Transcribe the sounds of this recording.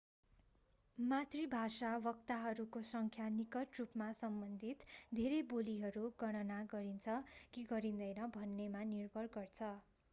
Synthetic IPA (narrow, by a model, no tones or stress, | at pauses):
mat̪ribʱasawʌkt̪aɦʌɾukosʌŋkʰjanikʌʈrupmasʌmbʌnd̪ʱit̪d̪ʱeɾeboliɦʌɾuɡʌɽ̃ʌnaɡʌɾint͡sʰʌkiɡʌɾind̪ʌjnʌbʱʌnːemanirbʱʌrɡʌrt͡sʰʌ